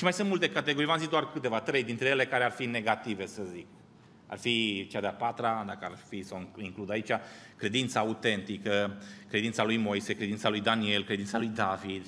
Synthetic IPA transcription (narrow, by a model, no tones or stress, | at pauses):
ʃimajsɨnt̪mult̪e̞kat̪eɡo̞ɾivamzik̚d̪oarkɨt̪e̞vat̪ɾe̞jd̪int̪ɾe̞jele̞kaɾe̞arfine̞ɡat̪ive̞səzik̚ | a̰rfit͡ʃad̪eapat̪ɾad̪akəarfisawiŋklud̪ait͡ʃa | kɾe̞d̪int̪saaut̪e̞nt̪ikəkɾe̞d̪int̪salujmo̞jse̞kɾed̪int̪salujd̪anie̞lkɾe̞d̪int̪salujd̪avid̪